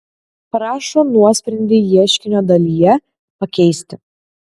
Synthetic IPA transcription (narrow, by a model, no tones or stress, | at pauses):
pɾɑːʃoːnuɔsʲpʲɾʲɛnʲd̪ʲɪːjiɛʃʲkʲɪnʲoːd̪ɐlʲijɛ | pɐkʲɛɪsʲt̪ʲɪ